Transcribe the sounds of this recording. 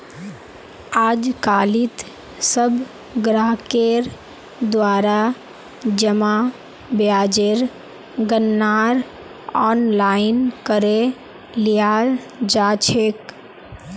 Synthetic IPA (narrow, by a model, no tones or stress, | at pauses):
aːd͡ʒkaːlit̪ | səb | ɡɾaːɦkeɾ | d̪waːɾa | d͡ʒəma | bjaːd͡ʒeɾ | ɡənːaːɾ | ɔːnlaːɪnkəɾe | lija | d͡ʒaːt͡ʃʰeːk